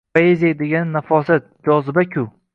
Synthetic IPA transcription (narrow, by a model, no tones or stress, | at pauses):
ajezʲed̪eɡʲanːafɒsat̪̚d͡ʒɒzɪbakʲʰʊ